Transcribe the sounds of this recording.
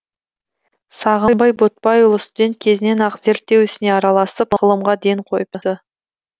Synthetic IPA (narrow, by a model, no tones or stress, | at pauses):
sɑʁəjmbɑjbot̪̚pɑjʊlˠəsd̪eŋkʲʰe̞zɪne̞nɑqze̞ɾt̚t̪ːe̞wʏsɪne̞ɑɾɑlˠɑsəpʁəlˠəmʁɑd̪ejɴqʰo̞jp̚əə